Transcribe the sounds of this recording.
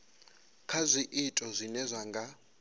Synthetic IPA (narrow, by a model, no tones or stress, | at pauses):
kʰazʷiʔitʼɔzʷinɛzʷaŋɡʱa